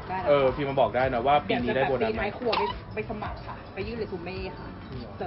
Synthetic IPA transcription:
a˥˩ʔɤː˧fiː˧ma˧nbɔː˨˩k̚daː˥˩jnɔ˦˥waː˥˩piː˧niː˦˧daː˥˩˨boː˧na˧maa˧˨˦jkʰu˧˩ɐma˧˥˩ | ma˥˩jsʰa˧ma˨˩wkʰa˧˩pa˧˩jɯː˥˩˨lːkʰu˧˩me˥˩kʰa˧˩˨

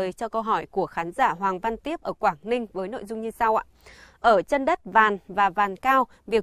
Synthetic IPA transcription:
t͡ɕɔ˧kə˧wɦɔ˧˩jku˧˩əxaː˨˦nzaː˧˩ɦwaː˨˩ŋva˧nt̪i˦˥əp̚ʔəː˧˩kwaː˧˩ŋnï˧ŋ̟vəː˨˦jno̰˧˨jzʊ˧ŋ͡mɲɨ˧sa˧wʔa̰ː˨ʔəː˧˩t͡ɕə˧nɗə˦˥t̚vaː˨˩nvaː˨˩vaː˨˩nkaː˧w | vi˨˩ə

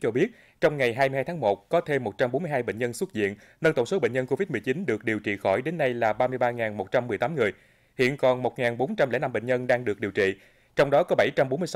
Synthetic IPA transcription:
t͡ɕɔ˧ɓi˦˥ət̚ | t͡ɕɔ˧wŋ͡mŋa˨˩jɦaː˧jmɨ˧jhaː˧jt̪ʰːŋmo˨˩t̚kɔ˨˦t̪ʰe˧mːo˨˩t̚t͡ɕa˧mɓo˨˦nmɨ˧jɦaː˧jɓḛ˧˨ɲ̟ɲə˧nswt̚zḭ˧˨ən | nə˧nt̪ŋ͡mso˨˦ɓḛ˧˨ɲɲə˧nko˧vi˦˥t̚mɨ˨˩ət͡ɕi˨˦nɗɨ˨˩ək̚ɗi˨˩əwt͡ɕḭ˧˨xɔ˧˩jɗe˨˦nːa˧jlaː˨˩ɓaː˧mɨ˧əjɓaː˧ŋaː˨˩nmo˨˩t̚t͡ɕa˧mːɨ˨˩əjt̪aː˨˦ŋɨ˨˩əj | hḭ˧˨ənkɔ˨˩nmo˨˩t̚ŋaː˨˩nɓo˨˦nt͡ɕa˧mleɛ˧˥na˧mɓḛ˧˨ɲ̟ɲə˧nɗaː˧ŋɗɨ˨˩ək̚ɗi˨˩əwt͡ɕḭ˧˨ | t͡ɕɔ˧wŋ͡mɗɔ˨˦kɔ˨˦ɓa˧˩jt͡ɕa˧mɓo˨˦nmɨ˧ə

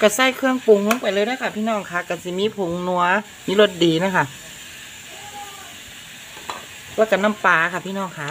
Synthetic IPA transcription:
ka˧˩sa˧˩˨jkʰɯ˧əŋpu˨˩ŋlu˧˥˦ŋpa˨jlɤː˧˨jna˧˥kʰa˧˩pʰiː˧˨nɔː˧˩˨ŋkʰa˧˩ka˨˩si˨˧˦miː˧˥˨pʰo˨˦ŋnu˧ɐ | miː˧˥˨lo˧˦t̪̚diː˨˦na˧˥kʰa˧˩ | lɛː˧˩˨ka˧˩na˧˥˩mpaː˨˩˧kʰa˧˩pʰiː˧˨nɔː˧˩˨ŋkʰa˧˥˨

